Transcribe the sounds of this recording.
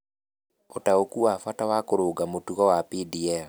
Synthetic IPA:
otaokuafatawakoɾoːɡamotuɣɔwapidiɛl

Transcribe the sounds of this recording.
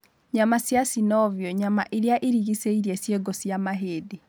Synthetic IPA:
ɲamasjasinɔviɔɲamaʔeɾeaʔiɾiɣiseiɾiesjeɡosjamaɦeːde

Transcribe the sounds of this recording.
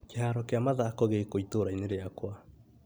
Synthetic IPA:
keɦaːɾɔkeamaðakɔɣekoitoɾaineɾeakwa

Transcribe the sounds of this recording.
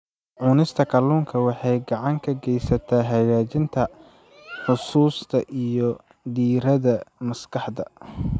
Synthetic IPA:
ʕʊnɪst̪ʰɐkʰɐluːŋkʰɐwɑħɑjɡɑʕɑŋkʰɐɡɛjsɐt̪ʰaːɦɐjaːt͡ʃɪnt̪ʰɐ | ħʊsuːst̪ʰɐʔijɔ | d̪iːɾɐðɐmɐskʰɑħd̪ɐ

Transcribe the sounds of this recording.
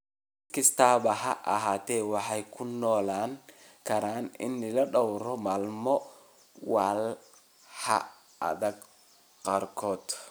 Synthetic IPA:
kɪst̪ʰaːβɐɦɐʔɐɦaːt̪ʰɛːwɑħɑjkʰʊnːɔːlaːŋ | kʰɐɾaːnɪ̰nːɪlɐɖɔwɾɔmaːlmɔ | wɑːl | hɐ̰ | ʔɐ̰ðɐɡ | qɑːrkʰɔːd̪

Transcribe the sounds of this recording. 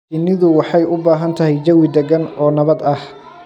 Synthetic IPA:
ɪnːɪðʊwɑħɑjʊbaːɦɐnt̪ʰɐɦɛjd͡ʒɐwɪd̪ɛɡɐnɔːnɐβɐd̪ɐh

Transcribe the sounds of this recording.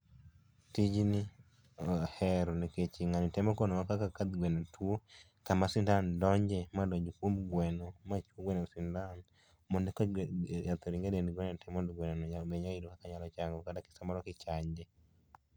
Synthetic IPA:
tid͡ʒni | hɛɾɔniket͡ʃiŋanitɛmɔkɔnɔmakakakad̪ɡwɛnɛtwo | kamasindandɔɲd͡ʒɛmadɔɲd͡ʒukwomɡwɛnɔmat͡ʃuoɡwɛnɛsindan | mɔndɛkɔjat̪ɔɾiŋɡedenɡwɛnɛtɛmɔdɡwɛnɛnɔabɛɲaidɔkakaɲalɔt͡ʃaŋɡɔkadaki̥samaɾɔkit͡ʃaɲd͡ʒɛ

